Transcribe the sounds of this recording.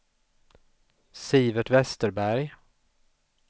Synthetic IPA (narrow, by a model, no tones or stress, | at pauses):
siːvəʈvɛst̪əɾbæɾj